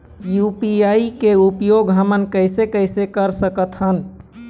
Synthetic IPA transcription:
jupiaikeupjoɡɦəmənkəɪsekəɪsekəɾsəkət̪ɦən

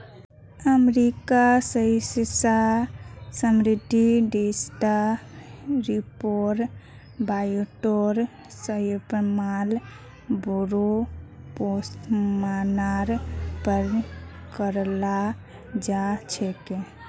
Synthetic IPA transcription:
əmɾikasəjsisa | səmɾid̪ʱːiɖesʈa | ɾipoɾ | bajuʈoɾ | səjpmal | boɾo | posʈmanaɾpəɾkəɾla | d͡ʒat͡ʃʰɛke

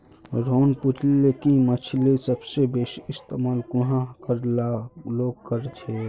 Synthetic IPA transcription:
ɾoːnput͡ʃlekimət͡ʃʰlisəbsebesist̪emaːlkuɦãkəɾlaloɡ̚kəɾt͡ʃʰɛ

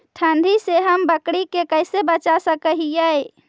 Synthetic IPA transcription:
ʈʰənd̪ʱiseɦəmbəkɽikekəjsebət͡ʃasəkəɦijəj

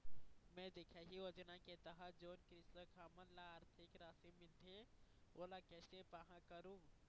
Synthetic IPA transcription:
mɛ̃d̪eːkʰaɦioːd͡ʒənaket̪əɦad͡ʒoːnkɾɪst̪əkʰaːmənlaaːɾt̪ʰɪkɾaːsimɪlt̪ʰeoːlakɛːsepaɦãkəɾũː

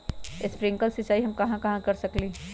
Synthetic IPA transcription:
ɪspɾɪ̃ŋkəlsɪt͡ʃaːiɦɐmkɐɦãkɐɦãkɐɾsɐklẽː

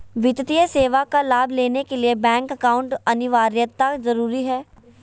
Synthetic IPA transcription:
ʋɪt̪t̪ijəseːʋakalaːbʱleːnekeliebɛ̃ːŋkɐkaːʊ̃ɳʈɐnɪʋaːɾjət̪ːazɐɾuːɾiɦɛː

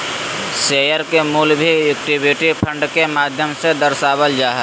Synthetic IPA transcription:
seːjəɾkemuːlbʱiek̚ʈibɪʈipʰə̃ɳɖkemaːd̪ʱjəmsed̪əɾsaːbəld͡ʒaːɦɛ

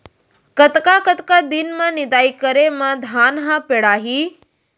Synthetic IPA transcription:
kət̪kakət̪kad̪inmãnid̪aːikəɾemãd̪ʱaːnɦãpeɽaːɦiː

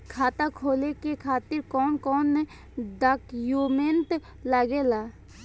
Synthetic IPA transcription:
kʰaːt̪akʰoːlekekʰaːt̪ɪɾkɔːnkɔːnːɛ | d̪əkjoːment̪ | laɡelaː

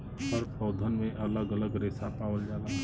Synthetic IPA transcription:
ɔɾpɔːd̪ʱənmẽʔɐləɡələɡɾeːsapaːwəld͡ʒaːla

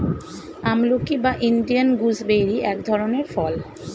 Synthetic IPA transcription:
amlokibaʔiɳɖianɡusbejɾiʔɛkd̪ʱɔɾoneɾfɔl

